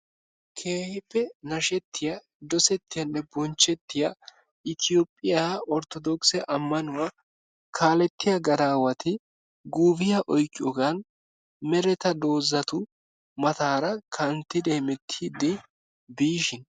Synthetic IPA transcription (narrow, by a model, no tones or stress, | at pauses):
kʰe̞ːhɪpːɛnɐʃɛt̪ːɪja | d̪ɔsɛt̪ːɪjɐnːɛbɔnt͡ʃːɛt̪ːɪja | ɪt̪ɪjoːpʼːɪjaɔɾt̪ɔd̪ɔksɛʔɐmːɐnʊwa | kʰaːlɛt̪ːɪjɐɡɐd̪aːwɐt̪ɪ | ɡuːbɪjɐʔɔjkʼːɪɔɡan | mɛɾɛt̪ɐd̪o̞ːzːɐt̪ʊ | mɐt̪aːɾɐkʰɐnt̪ːɪd̪eːmɛt̪ʰːid̪ɛ | biːʃɪn